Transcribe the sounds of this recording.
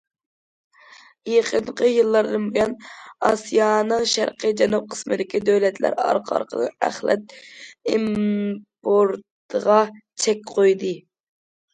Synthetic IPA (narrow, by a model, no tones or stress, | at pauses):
jeqʰəɴqʰəjɨlˠːɑɾd̪ɨnbujɑnɑsijɑnɨŋʃæ̰ɾqʰəd͡ʒɛnup̚qʰə̥smɪd̪ɪkʲid̪øwlɛt̪læ̰ɾɑ̰ɾqʰɑ̰ɾqʰə̰d̪ə̰æ̰χlɛ̰t̪̚impʰoɾt̪ | əʁɑt͡ʃʰɛkʲqʰojd̪ɨ